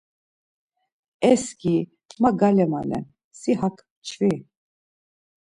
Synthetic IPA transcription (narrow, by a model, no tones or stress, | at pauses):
ɛski | maɡalɛma̰lɛ̰ | siɦakʰ | t͡ʃʰvi